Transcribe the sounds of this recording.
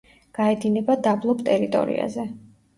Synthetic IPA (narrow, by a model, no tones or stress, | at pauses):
ɡ̥aɛd̪inɛbad̪ablˠɔpʰt̪ʼɛɾit̪ʼɔ̰ɾḭa̰zɛ